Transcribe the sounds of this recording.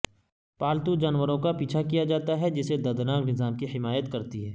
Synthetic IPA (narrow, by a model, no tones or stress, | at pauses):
paːlt̪ud͡ʒaːnʋəɾõkapiːt͡ʃʰakijad͡ʒaːt̪aɦɛd͡ʒɪsed̪ɐd̪naːknɪzaːmkihɪmaːjət̪kɐɾt̪iɦɛː